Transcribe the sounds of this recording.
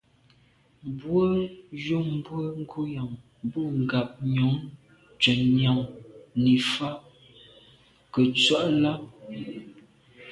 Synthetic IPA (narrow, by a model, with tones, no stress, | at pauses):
mbwə˦jo˦˨m˦bwə˦ŋ̩˦ɡʰo˦ja˨ŋ | bu˦˨ŋ̩˨ɡa˨p̚ɲo˨˦ŋ | t͡ʃɛ˨nɲa˨ŋni˨fa˦ | kə˨t͡swa˦ʔla˦